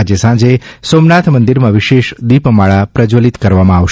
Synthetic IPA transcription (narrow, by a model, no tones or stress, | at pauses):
ad͡ʒesãd͡ʒesomnat̪ʰmənd̪iɾmãʋiʃeʃd̪ipmaɭapɾəd͡ʒolit̪kəɾʋamãaʋʃ